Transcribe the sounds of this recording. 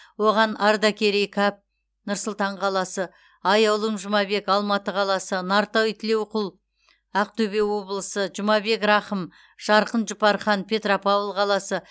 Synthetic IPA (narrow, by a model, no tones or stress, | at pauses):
wo̞ʁɑnɑɾd̪ɑkʲeɾejkʰɑp̚ | nʊɾsəlˠt̪ɑɴqʰɑlˠɑsə | ɑjɑwlˠəmʒʊmɑbe̞kɑlˠmɑt̪əqʰɑlˠɑsənɑɾt̪owt̪ʰɪle̞wqʰʊlˠ | ɑq̚t̪ɵbe̞wo̞blˠəsəʒʊmɑbe̞krɑχəm | ʒ̥ɑɾqənʒʊpɑɾχɑnpʰʲe̞t̪ropavəlˠqʰɑlˠɑsə